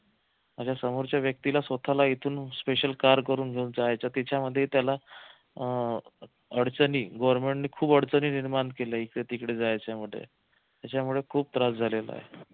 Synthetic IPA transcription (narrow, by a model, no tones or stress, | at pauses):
mad͡ʑjasəmoɾt͡ɕjaʋjək̚t̪ilasʋət̪ʰalait̪ʰuːnspeɕəlkaɾkəɾuːnɡʱeuːnd͡zajajt͡ɕat̪it͡ɕaməd̪ʱːjet̪jala | əɽt͡səniːɡɔʋəɾmeɳʈniːkʰuːbəɽt͡səniːniɾmankeljaikɽet̪ikɽed͡zajt͡ɕjamuɭḛ | t̪jat͡ɕamuɭekʰuːb̚t̪ɾasd͡zʱalela̰ɦe